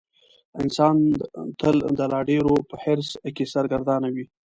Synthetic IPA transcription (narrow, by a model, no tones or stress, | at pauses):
ɪnsɑnt̪əld̪əlɑɖeɾopəhɪɾskesaɾɡaɾd̪ɑnawi